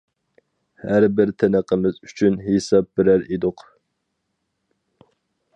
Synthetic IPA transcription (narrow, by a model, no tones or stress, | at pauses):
hæɾbɪɾt̪ʰɛnəqʰəmɪzyt͡ʃʰynɦesɑp̚bɪɾæɾed̪ʊq